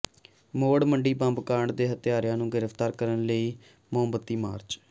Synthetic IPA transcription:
moːɽməɳɖiːbãmbkaːɳd̪eːɦət̪ɪjaːɾjãːnũːɡɪɾəfʰt̪aːɾkəɾənləiː | mʊɦəmbət̪ːiːma̰ːɾt͡ʃ

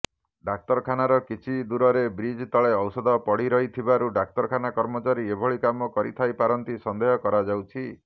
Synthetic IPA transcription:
ɖak̚t̪ɔɾkʰanaɾɔkit͡ʃʰid̪uɾɔɾebɾid͡ʒt̪ɔɭeɔwsɔd̪ɔpɔɽiɾɔɦit̪ʰibaɾuɖak̚t̪ɔɾkʰanakɔɾmɔt͡ʃaɾiebʱɔɭikamɔkɔɾḭt̪ʰajpaɾɔnt̪isɔnd̪eɦɔkɔɾad͡ʒawt͡ʃʰi

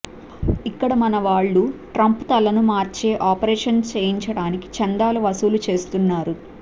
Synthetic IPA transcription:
ikːɐɽɐmɐnɐʋaːɭːuʈɾɐmput̪ɐlɐnumaːɾt͡ʃe̞ːʔaːpɐɾeːʂɐnt͡ʃeːjiɲt͡ʃɐɽaːniki̥t͡ʃɐnd̪aːluʋɐsulut͡ʃe̞ːst̪unːaːɾu

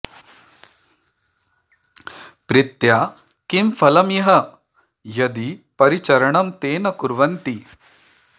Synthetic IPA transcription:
pɾɪt̪jaː | kimfʰɐlɐmjɐɦɐ̆ | jɐd̪ipɐɾit͡ʃɐɾɐɳɐmt̪eːnɐkuɾʋɐnt̪i

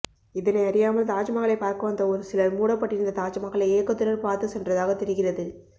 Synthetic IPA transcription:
ɪðɐnɐɪɐɾɪjaːmɐlt̪aːt͡ʃɐmaɣɐɭɐɪpːaːɾkɐʋɐnd̪ɐɔɾɯsɪlɐmuːɽɐpːɐʈːɪɾɯnd̪ɐt̪aːd͡ʒɐmaːɣɐɭɐeːkːɐt̪ːɯɾɐɾpaːɾt̪ɯsɛndrɐðaːɣɐt̪ːɛɾɯɣɪrɐðɯ

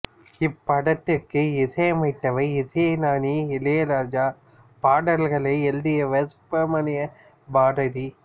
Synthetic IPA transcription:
ɪpːɐɽɐt̪ːɪrkɯɪsɐjɐmɐɪʈ̪ːɐʋɐɪɪsɐjɐnaːniɪlejɐlaːɾd͡ʒaː | paːɽɐlɣɐɭɐɪɛld̪ɪjɐʋɐspɐmɐnɪjɐ | baːɽɐɽi

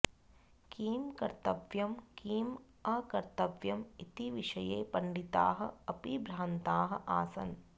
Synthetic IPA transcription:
kiːmkɐɾt̪ɐʋjɐmkiːm | ɐkɐɾt̪ɐʋjɐmit̪iʋiʂɐjeːpɐɳɖit̪a̰ːɦɐ̰̆ɐpibɾaːnt̪aːɦɐ̆ʔaːsɐ̰n

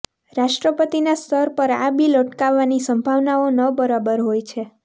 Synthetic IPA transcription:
ɾaʃʈɾəpət̪inast̪ʰəɾpəɾa̰biləʈkaʋːanisəmbʱaʋnaonəbəɾabəɾɦojt͡ʃʰe

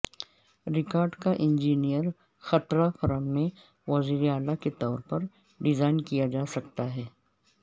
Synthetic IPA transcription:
ɾɪkaːɾɖkaʔɪ̃nd͡ʒiːnijəɾ | xɐt̪ɾafɐɾəmːẽ | ʋɐziːɾeaːlaket̪ɔːɾpɐɾ | ɖɪzaːɪnkijad͡ʒaːsɐk̚t̪aɦɛː

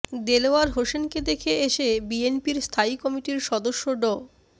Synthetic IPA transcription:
d̪eloaɾɦoʃenked̪ekʰeeʃebienpiɾst̪ʰaikɔmiʈiɾʃɔd̪oʃːoɖɔ

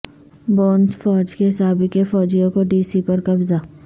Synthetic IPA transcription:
boːnsfɔːd͡ʒkesaːbikefɔːd͡ʒijõkoɖiːsipɐɾkɐbzaː

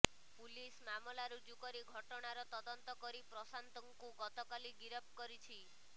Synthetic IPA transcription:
pulismamɔlaɾud͡ʒukɔɾiɡʱɔʈɔɽ̃aɾɔt̪ɔd̪ɔnt̪ɔkɔɾipɾɔsant̪ɔŋkuɡɔt̪ɔkaliɡiɾɔp̚kɔɾit͡ʃʰi

